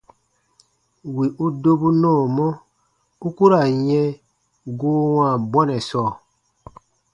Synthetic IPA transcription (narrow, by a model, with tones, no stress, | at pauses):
wi˨ʔu˦do˦bu˦nɔ̃ː˦˨mɔ˦ | u˦ku˦ɾa˨ɲɛ̃˦ | ɡoː˦wãː˦˨bwɔ˦nɛ˨sɔː˦˨